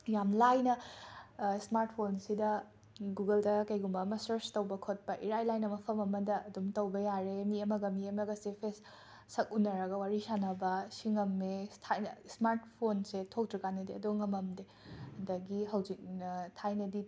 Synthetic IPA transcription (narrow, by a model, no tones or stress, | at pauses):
jamlajnɐ | smaɾt̚pʰonsidɐ | ɡuɡɐldɐkɐjɡumbɐmɐsɐɾstɐwbɐkʰot̚pɐʔiɾajlajnɐmɐpʰɐmɐmɐdɐɐdumtɐwbɐjaɾemiɐmɐɡɐmiɐmɐɡɐsepʰesː | ɐk̚unɐɾɐɡɐwaɾisanɐbɐsiŋɐmːetʰajɐsmaɾt̚pʰonsetʰok̚tɾiɡanɐdeɐdoŋɐmɐmde | hɐndɐɡiɦɐwzik̚nɐtʰajnɐdi